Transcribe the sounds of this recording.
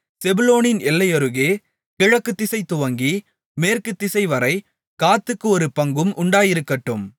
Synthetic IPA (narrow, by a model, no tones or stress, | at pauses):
sɛbɯloːnɪnɛlːɐjɐɾɯɣeː | kɪɻɐkːɯt̪ːɪsɐɪt̪ːʊʋɐŋɡi | meːrkɯt̪ːɪsɐɪʋɐɾɐɪ | kaːt̪ːɯkːɯɔɾɯpɐŋɡɯmʔʊɳɖaːjɪɾɯkːɐʈːɯm